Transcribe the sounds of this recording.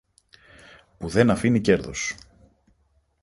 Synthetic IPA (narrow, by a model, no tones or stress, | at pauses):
puðe̞nɐfinice̞ɾðo̰s